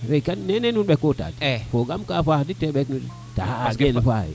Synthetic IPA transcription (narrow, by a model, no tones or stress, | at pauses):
ɾekannenenunɓekːota̰tfoɡamkafahditeɓeknun | tahɡenfaḭ